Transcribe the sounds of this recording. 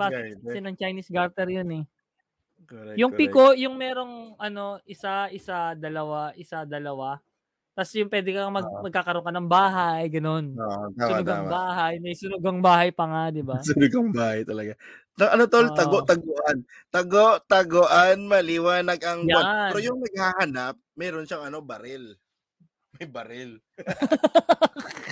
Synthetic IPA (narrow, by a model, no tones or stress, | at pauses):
baːɪksɛnɐŋt͡ʃɐjnisɡaɾt̪ɛɾjonɛ | kjʊŋpikoʔjʊŋmɛːɾo̞ŋʔɐno̞ʔɪsaʔɪsad̪ɐlɐwaʔɪsad̪ɐlɐwa | t̪ɐsjʊŋpwɛːd̪ɪkɐmɐɡmɐɡ̚kaːkɐɾoŋkɐnɐŋbaːɦajɡɐno̞naʊnʊɡ̪ɐŋbaːɦajmɐjsʊnʊɡɐŋbaːhɐjpɐŋad̪ɪbasʊnʊɡɐŋbaːhɐjt̪ɐlɐɡa | nɐŋʔɐnot̪olɐoʔt̪ɐɡoʔan | t̪ɐɡoʔt̪ɐɡoʔanmɐlɪwaːnɐɡɐŋjaɾojʊŋnɐɡ̚haːhɐnap̚mɛːɾonʃaŋɐno̞bɐɾɪl | mɐjbɐɾɪl